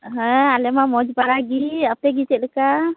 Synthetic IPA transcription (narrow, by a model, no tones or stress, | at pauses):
ɦɛ̃alɛmamɔd͡ʒbaɾaɡiap̚t̪ɛɡit͡ʃɛʔ̚ləka